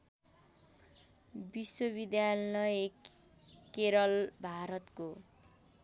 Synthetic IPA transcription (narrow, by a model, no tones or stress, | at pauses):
biswobid̪jalʌjekː | eɾʌlbʱaɾʌt̪ko